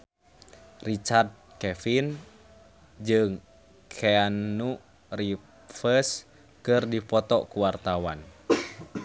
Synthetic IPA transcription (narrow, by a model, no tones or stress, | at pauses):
rit͡ʃard̪̚kɛfin | d͡ʒɨŋ | kʰɛanu | ri | fəs | kɨrdipɔt̪ɔkuwart̪awan